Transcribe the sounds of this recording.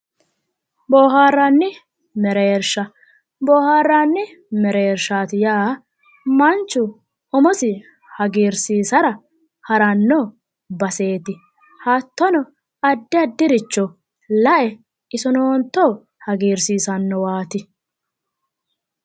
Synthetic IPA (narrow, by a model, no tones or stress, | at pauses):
boːɦaːrːanːɪ | mɛɾeːɾʃɐ | boːhaːrːanːɪ | mɛɾeɾʃaːt̪ɪjaː | mɐnt͡ʃːʊ | ʔɔmɔsɪ | hɐɡiːɾsiːsɐɾɐ | hɐɾɐnːɔ | bɐse̞ːt̪ɪ | hat̪ːɔnɔ | ɐd̪ːɪɐd̪ːɪɾɪt͡ʃːɔ | lɐʔɛ | ɪsɔnoːnt̪ːɔ | hɐɡiːɾsiːsɐnːɔwaːt̪ɪ